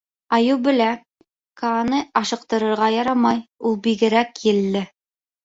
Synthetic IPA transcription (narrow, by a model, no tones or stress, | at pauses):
ɑjuwbɘ̆læ | kɑːnɤɑʃɤ̆q̚t̪ɤ̆ɾɤ̆ɾʁɑjɑɾɑmɑjulˠbiɡɘ̆ɾækjɘ̆lːɘ